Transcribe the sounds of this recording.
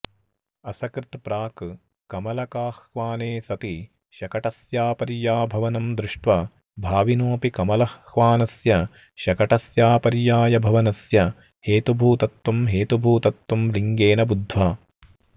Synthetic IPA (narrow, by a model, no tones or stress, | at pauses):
ɐsɐkɾɪt̪pɾaːk | kɐmɐlɐkaːhʋaːneːsɐt̪i | ʃɐkɐʈɐsjaːpɐɾjaːbʱɐʋɐnɐmd̪ɾɪʂʈʋɐ | bʱaːʋinoːpikɐmɐlɐhʋaːnɐsjɐ | ʃɐkɐʈɐsjaːpɐɾjaːjɐbʱɐʋɐnɐsjɐ | heːt̪ubʱuːt̪ɐt̪ːumɦeːt̪ubʱuːt̪ɐt̪ːumliŋɡeːnɐbud̪ʱːʋaː